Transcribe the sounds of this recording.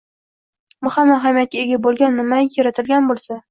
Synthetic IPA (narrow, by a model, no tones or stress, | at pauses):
bʊhamːaɦamijat̪̚kʲaeɡʲabolˠɡʲanːɪmajaɾat̪ʰɪlɡʲanbolˠsa